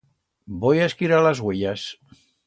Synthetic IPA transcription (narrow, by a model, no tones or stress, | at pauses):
bojaskiɾalazɣweʎas